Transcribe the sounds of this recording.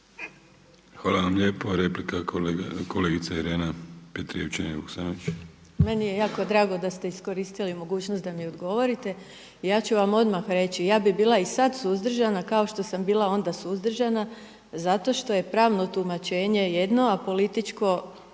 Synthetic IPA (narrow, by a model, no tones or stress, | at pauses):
xʋaːlaʋamʎeːpoɾe̞plikakʰoleɡit̪saiɾeːnapet̪ɾḭeʋt͡ʃenbuksaːnoʋit͡ʃ | me̞nije̞jaːko̞d̪ɾaːɡo̞d̪ast̪e̞isko̞ɾist̪ilimo̞ɡuːt͡ɕnost̪d̪amiod̪ɡo̞ʋo̞ɾit̪e̞ | ijaːt͡ɕuʋamo̞d̪maxɾe̞t͡ɕijaːbibiːlˠaisad̪suzd̪r̩ʒanakao̞ʃt̪o̞sambiːlao̞nd̪asuzd̪r̩ʒana | zat̪o̞ʃt̪o̞je̞pɾaːʋno̞t̪umat͡ʃe̞ːɲe̞je̞d̪no̞apo̞lit̪it͡ʃko̞